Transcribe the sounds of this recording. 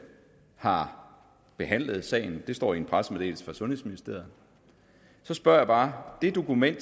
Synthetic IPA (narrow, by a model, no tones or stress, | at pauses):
hɑ̈ | b̥e̝ɦæn̰ləð̞̩ˠsɛ̰ːɪ̰n̩d̥e̝sd̥ɒ̰ːienpʰʁasmed̥e̝̰ːlsfɑsɔ̽nhe̝sminisd̥e̝ɐ̰ð̩ | sɒ̽sb̥ɶɐ̰jɑ̈b̥ɑ̈ːd̥e̝d̥o̝kumen̰d̥